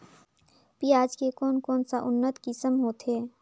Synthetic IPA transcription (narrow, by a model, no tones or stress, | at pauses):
piaːd͡ʒkekɔːnkɔːnsaʔʊnːət̪kɪsəmɦoːt̪ɦeː